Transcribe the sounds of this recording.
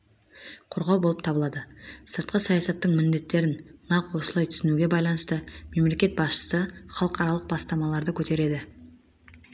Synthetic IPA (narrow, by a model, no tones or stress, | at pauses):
qʰoɾʁɑwbolˠəp̚t̪ʰɑbəlˠɑd̪əsəɾt̪̚qəsɑjɑsɑt̪ːəɴmɪnd̪e̞t̪ːe̞ɾɪnːɑqwo̞səlˠɑjt̪ʰʏsɪnuɡʲe̞bɑjlˠɑnəst̪əme̞mle̞kʲe̞t̪̚bɑsʃə̥səχɑlˠəqɑɾɑlˠəq̚bɑst̪ɑmɑlˠɑɾd̪əkʲʰɵt̪e̞ɾe̞d̪ɪ